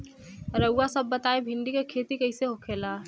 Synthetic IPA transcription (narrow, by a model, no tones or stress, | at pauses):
ɾɐwːasɐbːɐt̪aːebʱɪ̃ɳɖikekʰeːt̪ikɐiseɦokʰeːlaː